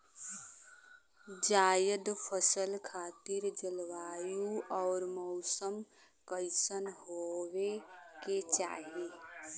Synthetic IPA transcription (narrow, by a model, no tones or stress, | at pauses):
d͡ʒaːjəd̪pʰəsəlkʰaːt̪ɪɾd͡ʒəlwaːjuɔːɾmɔʊsəm | kəɪsənɦoweket͡ʃa̰ːɦeː